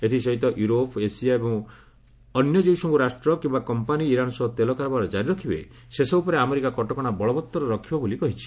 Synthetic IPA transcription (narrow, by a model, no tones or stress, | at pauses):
et̪ʰisɔɦit̪ɔʔjuɾopesiaebɔŋ | ɔnjɔd͡ʒiwsɔ̃ŋɡuɾasʈɾɔkĩmbakɔmpaniːɾanɔsɔt̪elɔkaɾɔbaɾɔd͡ʒaɾiɾɔkʰibḛ | sesɔupɔɾeameɾikakɔʈɔkɔɽ̃abɔɭɔbɔt̪ːɔɾɔɾɔkʰibɔbulikɔɦit͡ʃʰi̥